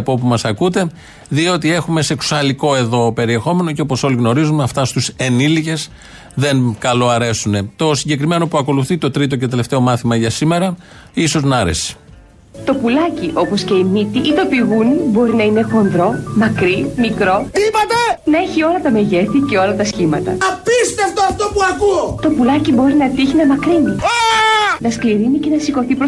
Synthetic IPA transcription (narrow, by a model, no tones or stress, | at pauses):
po̞pumɐsɐkut̪e̞ | ðio̞t̪ie̞xume̞seksu̥sɐliko̞e̞ðo̞pe̞ɾie̞xo̞me̞no̞ce̞o̞po̞so̞liɣno̞ɾizumɐft̪ɐst̪use̞nilice̞z | ðe̞ŋkɐlo̞ɐɾe̞sune̞t̪o̞siɲɟe̞kɾime̞no̞puɐko̞luθit̪o̞t̪ɾit̪o̞cet̪e̞le̞ft̪e̞o̞mɐθimɐʝɐsime̞ɾɐ | iso̞znɐɾe̞̰si̥ | t̪o̞pulɐciʔo̞po̞sce̞imit̪iʔit̪o̞piɣunibo̞ɾinɐinexo̞nðɾo̞mɐkɾimikɾo̞t̪ipot̪ɐnɐe̞çio̞lɐt̪ɐme̞ʝe̞θice̞o̞lɐt̪ɐsçimɐt̪ɐ̰ɐpist̪eft̪oɐft̪opuɐkut̪o̞pulɐcibo̞ɾinɐt̪içinɐmɐkɾinianɐskliɾinice̞nɐsiko̞θipɾo